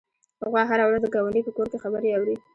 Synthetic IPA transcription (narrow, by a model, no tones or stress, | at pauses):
haɣwɑɦaɾawɾazd̪əɡawaɳɖipəkoɾkexabəɾeawɾi